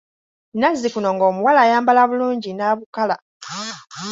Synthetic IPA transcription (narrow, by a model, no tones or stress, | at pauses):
nazːikuno̞ŋɡo̞ːmuwalaːjaːmbalaβuluːɲɟinaβukala